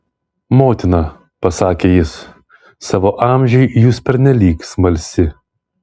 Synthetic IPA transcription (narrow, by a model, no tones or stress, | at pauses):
moːt̪ʲɪnɐ | pɐsɑːkʲeːjɪs | sɑːʋoːʔɑˑmʲʒʲɛɪjuːspʲɛɾʲnʲɛlʲiːksmɐlʲsʲɪ